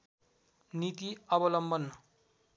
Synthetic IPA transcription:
nit̪iʌbʌlʌmbʌn

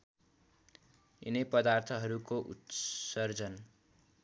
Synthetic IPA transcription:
ḭnʌpʌd̪art̪ʰʌɦʌɾukoʔṵt̪sʌrd͡zʌn

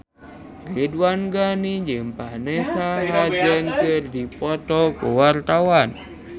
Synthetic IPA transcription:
redwanɡaniɲd͡ʒəmpanesaɦad͡ʒɛnkərdipɔt̪ɔkuwart̪awan

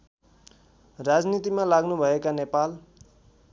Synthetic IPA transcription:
rad͡znit̪imalaɡnubʱʌekanepal

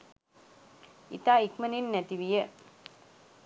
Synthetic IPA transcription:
ḭt̪aːikməninːæt̪iʋijə

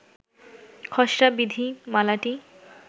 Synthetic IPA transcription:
kʰɔʃɾabid̪ʱimalaʈi

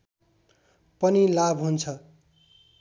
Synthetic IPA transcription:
pʌnilabɦunt͡sʰʌ

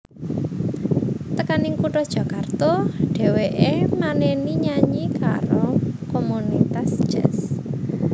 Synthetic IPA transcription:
t̪əkanɪŋkuʈɔd̥ʒ̥ä̤kart̪ɔɖ̥e̤weʔemaneniɲaɲika̰ɾokomunit̪asʒ̥ɛ̰s

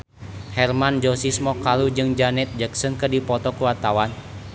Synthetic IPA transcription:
hɛrmand͡ʒɔsismɔkalud͡ʒɨŋd͡ʒanɛt̪̚d͡ʒaksənkərdipɔt̪ɔkuwat̪awan

